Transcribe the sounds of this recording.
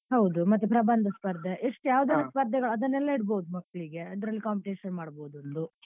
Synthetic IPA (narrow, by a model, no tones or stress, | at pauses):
ɦɐwd̪umɐt̪ːupɾɐbɐnd̪ʱɐspɐɾd̪ʱeʔeʂʈujaːʋud̪ɐnɐspɐɾd̪ʱɛɡɐɭɐd̪ɐnːɛlːɐiɽboːud̪umɐkːɐɭiɡe̞ɐd̪ɐɾɐlːikaːmpiʈeːʃɐnmaːɽboːd̪uond̪u